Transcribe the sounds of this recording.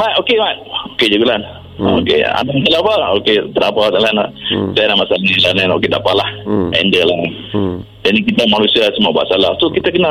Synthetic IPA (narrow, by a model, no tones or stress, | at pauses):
maʔokemaoked͡ʒuɡulan | o̰kḛa̰damasalabaoket̪əɾapat̪alanasaanamasaliilananoked̪apalahɛ̰ndəla | danikit̪amanusiasəmuaba̰ʔsalahsokit̪akəna